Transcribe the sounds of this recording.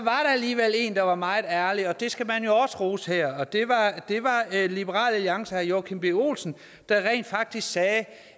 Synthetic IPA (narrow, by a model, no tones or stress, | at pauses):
sɒ̽ʋɑ̈ɾ̥ɑ̈æliːʋel̰e̝̰ːnd̥ɑ̈ʋɑ̈mɑ̈ɪð̩ˠæɐliɒ̽d̥e̝sɡ̥æmænjo̝ɒ̽sə̥ʁuːsheɐ̰ɒd̥e̝ʋɑd̥e̝ʋɑ̈lib̥əʁɑ̰̈ːlæljɑ̈ŋsəæjokʰemb̥eo̝̰ːlsn̩ | d̥ɑ̈ʁɛ̰ːnd̥fɑ̈ɡ̥̚d̥isɡ̥sɛː